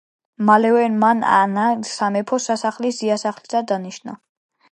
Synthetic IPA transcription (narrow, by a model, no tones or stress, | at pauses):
malɛwɛnmana̰naɡsamɛpʰɔsasaχlisiasaχlisad̪aniʃna̰